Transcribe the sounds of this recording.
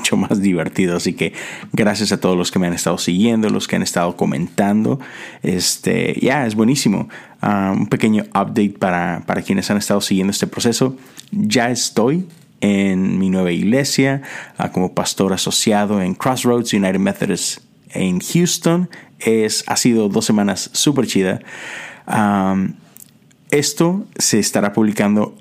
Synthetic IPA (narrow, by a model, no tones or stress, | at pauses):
ut͡ʃo̞mazðiβe̞ɾt̪iðoasike̞ɡɾasjasat̪o̞ð̞ozlo̞skeme̞ane̞st̪aðo̞siɣje̞nd̪o̞lʔo̞̰skea̰ne̞st̪aðo̞ko̞mẽ̞nt̪and̪o̞̰ḛst̪ḛja̰e̞zβwe̞nisimo̞̰ | aṵmpe̞ke̞ɲo̞apd̪ejt̪̚paɾapaɾakjene̞sane̞st̪að̞o̞siɣend̪oest̪epɾose̞so̞ | ʝae̞st̪o̞j | enminwe̞βaiɣle̞sja̰ko̞mo̞past̪o̞ɾaso̞sjaðo̞e̞ŋkɾosɹowd̪sjunajɾemeθoɾes | enxjust̪o̞nesa̰siðo̞ðo̞sːe̞mãnasːupe̞ɾt͡ʃiða | am | e̞st̪o̞se̞ːst̪aɾapuβ̞likand̪o̞